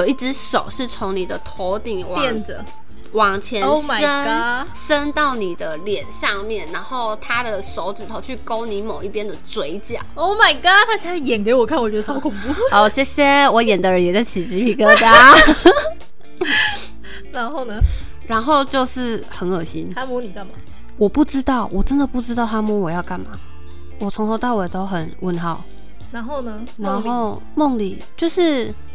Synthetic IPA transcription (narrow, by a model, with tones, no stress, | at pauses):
jjo˨˩ʊi˥˩ʈ͡ʂɻ̩˧˥ʂo˨˩ʊʂɻ̩˥˩t͡sʰʊ˧˥ŋni˨˩d̪ə˦t̪ʰo˧˥ʊt̪i˨˩ŋwɛ˥˨nə˨˩ | wɑ˨˩ŋt͡ɕʰjɛ˧nma˨˩ə˥na˥ | ʂə˥nt̪ɑ˥˩ʊni˨˩d̪ə˦ljɛ˨˩nʂɑ˥˧ŋmjɛ˥˩nɻa˧˥nxo˥˩ʊt̪ʰa˥d̪ə˨ʂo˧˥ʊʈ͡ʂɻ̩˨˩t̪ʰo˧ʊt͡ɕʰy˥˩ko˥ʊni˧˥mo˨˩ʊi˥˩pjɛ˥nd̪ə˨t͡swe˧˥ɪt͡ɕjɑ̰˨˦o˥˩ma˨˩ɪka˥t̪ʰa˥ɕʰi˧˥a˥˩jɛ˨˩nke˧ɪwɔ˨˩kʰa˥˩nwt͡ɕɥɛ˦˥ə˧˩ʈ͡ʂʰɑ˧˥ʊkʰʊ˨˩ŋpu˥˧ɔ˥˧˩ɕɛ˥ɕjɛ˥wɔ˧˥jɛ˨˩nd̪ə˧˦ɻə˧˥njɛ˨˩t͡sa˥˩ɪt͡ɕʰi˨˩t͡ɕi˧˥pʰi˧˩kɤ˥t̪a˥ | na˧˥nxo˥˩ʊnə˨ | ɻa˧˥nxo˥˧ʊt͡ɕjo˥˧ʊʂɻ̩˥˩xə˧˥nə˨˩ɕi˦nʰa˥mu˥ni˨˩ka˥˩nma˨˩ | wɔ˨˩pu˥˩ʈ͡ʂɻ̩˥t̪ɑ˥˩ʊwʔɔ˨˩ʈ͡ʂə˦˥nd̪ə˨pu˥˩ʈ͡ʂɻ̩˥t̪ɑ˥˩ʊt̪ʰa˥mu˧˥wɔ˨˩jɑ˥˧ʊka˥˩nma˨˩ | wɔ˨˩t͡sʰʊ˧˥ŋxo˧˥ʊt̪a˥˩we˨˩t̪o˥ʊxə˨˩˦nwə˧˥nxɑ˨˩˦ʊ | na˧˥nxo˥˧ʊnə˩ | na˧˥nxo˥˧ʊ | mʊ˥˩ŋli˨˩t͡ɕjo˥˧ʊʂɻ̩˥˧